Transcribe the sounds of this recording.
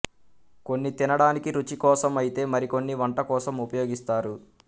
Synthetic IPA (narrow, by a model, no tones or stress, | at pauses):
ko̞nːit̪inɐɽaːnikiɾut͡ʃikɔːsɐmɐjit̪e̞ːmɐɾiko̞nːiʋɐɳʈɐkɔːsɐmupɐjo̞ːɡist̪aːɾu